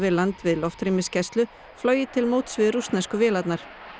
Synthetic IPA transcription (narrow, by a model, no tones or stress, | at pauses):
vɪlant̪vɪðlɔft̪ɾimɪscɛst̪lʏ | flœːɥjɪt̪ʰɪlmoːwt̪svɪðɾust̪naskʏvɪːlat̪naɾ̥